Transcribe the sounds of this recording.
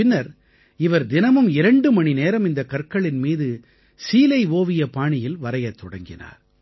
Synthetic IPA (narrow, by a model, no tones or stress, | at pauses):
ɪnːɐɾ | ɪʋɐɾd̪ɪnɐmɯmɪɾɐɳɖɯmɐɳineːɾɐmɪnd̪ɐkɐrkɐɭɪnmiːðɯ | siːlɐɪʋoːʋɪjɐpaːɳɪjɪlʋɐɾɐjɐt̪ːɔɽɐŋɡɪ̰na̰ːɾ